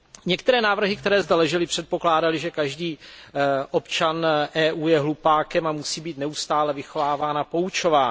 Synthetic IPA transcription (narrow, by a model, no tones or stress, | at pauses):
ɲɛk̚t̪ɛɾɛːnaːvr̩ɦɪk̚t̪ɛɾɛːzd̪ɛlɛʒɪlɪpr̝̥ɛt̪̚po̞klaːdalɪʒɛkaʒdiː | ʔopt͡ʃanʔɛːʔuːjɛɦlupaːkɛmamusiːbiːt̪nɛust̪aːlɛvɪxo̞vaːvaːnapo̞ut͡ʃo̞vaː